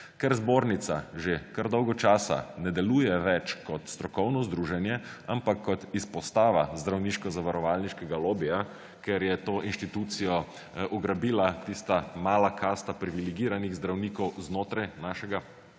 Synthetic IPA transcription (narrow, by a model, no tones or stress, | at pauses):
kɛɾzboːɾnit̪saʒekaɾd̪ɔwɡɔt͡ʃaːsa̰nɛd̪ɛluːjɛʋɛt͡ʃkɔt̪st̪ɾɔkɔwnɔzd̪ɾuːʒɛnjɛampakʰːɔt̪ispɔst̪aːʋazd̪ɾawniːʃkɔzaʋaɾɔʋaːlniʃkɛɡaloːbija | kɛɾjɛt̪oːʔinʃt̪it̪ut̪sijɔ | ʔɔɡɾabiːlat̪ist̪amaːlakʰast̪apɾiʋiliɡiːɾaniɣzd̪ɾawniːkɔwznoːt̪ɾajnaːʃɛɡa